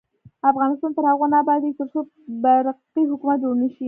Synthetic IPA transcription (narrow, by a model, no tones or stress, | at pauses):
afɣɑnɪst̪ɑnt̪əɾhaɣonɑbɑd̪et̪əɾso | baɾqiɦʊkumat̪d͡ʒoɾnəʃi